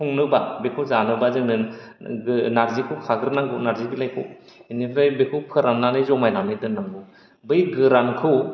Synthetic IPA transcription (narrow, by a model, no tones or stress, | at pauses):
pʰuŋnɯbabekʰɯwzanɯbazɯŋnɯ | naɾzikʰɯkʰaɡɯɾnaŋɡɯnaɾzibilajkʰɯw | inibɯjbekʰɯwpʰɯɾamnanɯzɔmajnanɯjdɯnaŋɡɯ | bɯjɡɯɾankʰɯw